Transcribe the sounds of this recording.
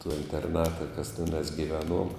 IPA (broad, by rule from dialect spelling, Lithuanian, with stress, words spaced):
toː ɪnʲtʲɛrˈnɑːtɐ kɐs tʲɛˈnɑːs ɡʲɪˈʋʲæːˌnuɔm